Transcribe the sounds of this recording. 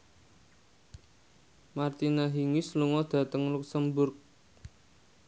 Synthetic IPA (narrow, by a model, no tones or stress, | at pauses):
mart̪inaɦiŋisluŋɔd̪̥ä̤t̪əŋluk̚səmbʊrk̚